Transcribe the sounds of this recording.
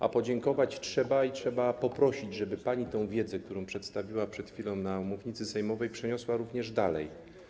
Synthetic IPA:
a̰pɔd͡ʑɛŋkɔvat͡ɕtʂɛbaitʂɛbapɔpɾɔɕid͡ʑʐɛbɘpaɲit̪ɛ̃w̃vʲjɛd̪zɛk̚t̪uɾɔ̃w̃pʂɛt̪st̪avʲiwapʂɛt̪xfʲilɔ̃w̃namuvɲit̪sɘsɛjmɔvɛjpʂɛɲɔswaɾuvɲɛʐd̪alɛ̰j

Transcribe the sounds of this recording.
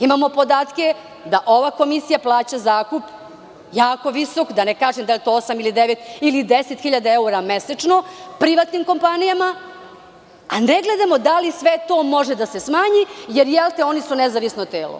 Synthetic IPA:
imamo̞po̞d̪aːt̪ke | d̪aʔo̞ʋako̞misijaplˠaːt͡ɕazaːkup | jaːko̞ʋisokd̪anekaːʒemd̪aljet̪o̞osamilid̪eʋet̪ilid̪eset̪xiʎad̪aeuɾameset͡ʂno̞pɾiʋat̪nimko̞mpanijama | aneɡled̪amo̞d̪alisʋet̪o̞ːmo̞ʒed̪asesmaːɲijeɾjelˠt̪eo̞nisunezaʋisnot̪eːlo̰

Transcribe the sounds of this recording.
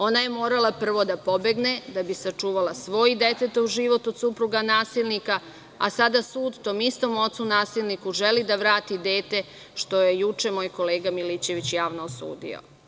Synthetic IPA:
o̞naje̞mo̞ːɾalˠapr̩ʋo̞d̪apo̞be̞ɡne̞d̪abisat͡ʂuːʋalˠasʋo̞ːjd̪e̞t̪et̪oʒiʋo̞t̪od̪supɾuɡanaːsilnika | a̰sad̪asuːd̪t̪o̞ːmist̪o̞mo̞t̪sunaːsilˠnikuʒe̞lid̪aʋɾaːt̪id̪e̞ːt̪e̞ | ʃt̪o̞je̞jut͡ʃe̞mo̞ːjko̞le̞ːɡamilit͡ɕe̞ʋit͡ɕjaːʋnoːsṵːd̪ḭo̰

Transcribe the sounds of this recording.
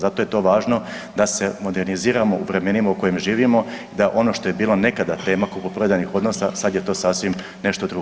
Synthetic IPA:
zat̪o̞jet̪o̞ʋaːʒno̞ | d̪ase̞mo̞d̪e̞ɾniziːɾamo̞ʔuʋɾe̞me̞nimauko̞jemʒiːʋimo̞id̪aʔo̞no̞ʃt̪o̞je̞biːlo̞ne̞kad̪at̪e̞ːmakupopɾod̪anixo̞d̪no̞sasad̪jet̪o̞ːsaːsʋim | ne̞ʃt̪o̞d̪ɾu

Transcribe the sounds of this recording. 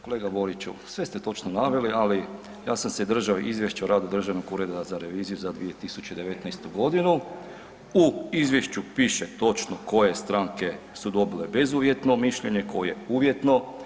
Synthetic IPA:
ko̞lˠe̞ːɡabo̞ɾit͡ɕṵsʋe̞st̪et̪o̞t͡ʃnonaʋe̞liali | jaːsamsed̪r̩ʒaoʔizʋjeʃt͡ɕaɾʔaːd̪ud̪r̩ʒaʋnoɡuɾe̞d̪azaɾe̞ʋiːzijuzad̪ʋije̞t̪isut͡ɕed̪e̞ʋe̞t̪najst̪uɡo̞d̪inu | uizʋje̞ʃt͡ɕupiːʃet̪o̞t͡ʃnoko̞je̞st̪ɾaːŋke̞ | sud̪o̞bile̞bezuːʋje̞t̪no̞miʃʎe̞ɲe̞kʰo̞je̞uːʋje̞t̪no̞

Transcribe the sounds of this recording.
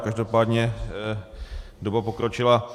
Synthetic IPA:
kaʒdo̞paːd̪ɲɛ | dobapokɾot͡ʃɪla

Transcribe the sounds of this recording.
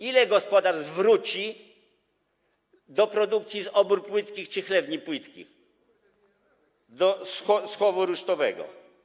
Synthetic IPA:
ilɛɡɔspɔd̪aʐzvɾut͡ɕi | d̪ɔpɾɔd̪uk̚t̪sʲjizɔbuɾpwɘt̪kʲixt͡ʂɘxlɛbɲipwɘt̪kʲḭx | d̪ɔsɔsxɔvɔɾuʂt̪ɔvɛɡɔ̰

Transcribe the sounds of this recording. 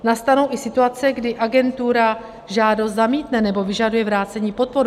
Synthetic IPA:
nast̪ano̞wʔɪsɪt̪uat͡sɛɡdɪʔaɡɛnt̪uɾa | ʒaːdo̞st̪zamiːt̪nɛnɛbo̞vɪʒadujɛvɾaːt͡sɛɲiːpo̞t̪̚po̞ɾu

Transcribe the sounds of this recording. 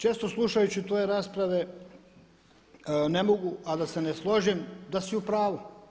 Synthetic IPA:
t͡ʃe̞ːst̪o̞slˠuʃajut͡ɕit̪ojeɾaːspɾaʋe | nemo̞ɡuʔad̪ase̞neslˠo̞ʒimd̪asiupɾaːʋu

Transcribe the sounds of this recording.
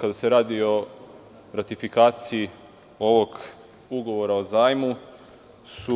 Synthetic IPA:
kad̪ase̞ɾaːd̪io̞ | ɾat̪ifikaːt̪sii | o̞ʋo̞ɡ | uɡo̞ʋo̞ɾao̞zaːjmu | su

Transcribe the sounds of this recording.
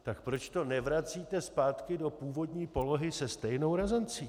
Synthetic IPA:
t̪akpɾo̞t͡ʃt̪o̞nɛvɾat͡siːt̪ɛspaːt̪kɪdo̞puːvo̞dɲiːpo̞lo̞ɦɪsɛst̪ɛjno̞wɾazɛnt͡siː

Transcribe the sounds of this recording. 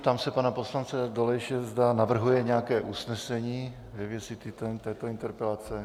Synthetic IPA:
t̪amsɛpanaposlant͡sɛd̪olɛjʃɛzd̪anavr̩ɦujɛɲɛakɛːʔusnɛsɛɲiː | vɛvjɛsɪt̪ɪt̪ot̪ɛːt̪oint̪ɛɾpɛlat͡sɛ

